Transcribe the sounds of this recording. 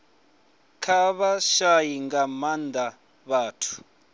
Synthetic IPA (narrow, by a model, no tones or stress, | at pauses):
kʰaβaʃajiŋɡamand̪a | βaːtʰu̥